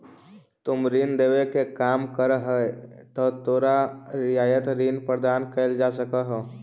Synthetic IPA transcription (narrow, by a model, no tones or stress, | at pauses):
t̪ʊmɾind̪eːʋekekaːmkəɾɦət̪ɔt̪oːɾaɾɪjaːjət̪ɾiːnpɾəɾd̪aːnkeɪld͡ʒasəkəɦo